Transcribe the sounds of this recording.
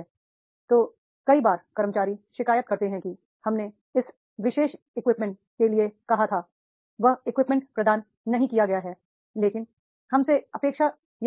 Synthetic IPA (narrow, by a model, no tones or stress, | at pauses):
t̪oː | kɐibaːɾkɐɾəmət͡ʃaːɾiʃɪkaːjət̪̚kɐɾt̪eɦɛ̃ki | hɐmne | ɪs | ʋɪʃeːʃ | ɪkʋɪpmɛ̃ɳʈ | keliekɐɦat̪ʰa | ʋɐɦɪkʋɪpmɛ̃ɳʈpɾɐd̪aːnː | ɐɦĩkijaɡɐjaɦɛː | leːkɪn | hɐmseɐpeːkʃa | j